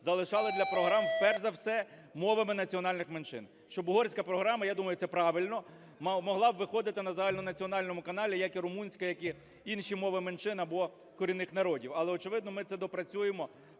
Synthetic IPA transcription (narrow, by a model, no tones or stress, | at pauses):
zɐlˠɪʃɑlˠɪd̪lʲɐpɾɔɦɾɑmpɛrzɐwsɛmɔʋɐmɪnɐt͡sʲiɔnɑlʲnɪxment͡ʃɪ̰n | ʃt͡ʃɔbʊɦɔrsʲkɐpɾɔɦɾɑmɐjad̪umɐjʊt̪sɛpɾɑʋɪlʲnɔ | mmɔɦlˠɑbʋɪxɔd̪ɪt̪ɪnɐzɐɦalʲnɔnɐt͡sʲiɔnɑlʲnɔmʊkɐnɑlʲijɐkiɾʊmunʲsʲkɐjɐki | inʃimɔʋɪment͡ʃɪnɐbɔ | kɔɾʲinɪxnɐɾɔdʲiwɐlˠɛɔt͡ʃɪʋɪd̪nɔmɪt̪sɛd̪ɔpɾɐt͡sʲujemɔ